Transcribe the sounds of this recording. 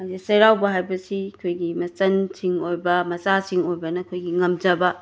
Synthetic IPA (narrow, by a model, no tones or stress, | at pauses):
azisɐjɾawbɐɦajbɐsiɐkʰojɡimɐt͡ʃɐnsiŋojbɐmɐt͡ʃasiŋojbɐnɐːkʰojɡiŋɐmd͡ʒɐbɐ